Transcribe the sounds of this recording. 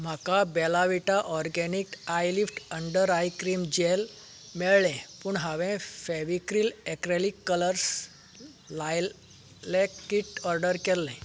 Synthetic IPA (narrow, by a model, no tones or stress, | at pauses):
m̤akabɛlaʋiʈaʔɔɾɡɛnikajlifʈəɳɖəɾajkɾiːmd͡ʑel | mɛɭlɛ̃puɳɦaʋɛ̃fɛʋikɾiːlɛkɾelikːələɾs | la | lɛkiʈɔɾɖəɾkɛlːɛ̃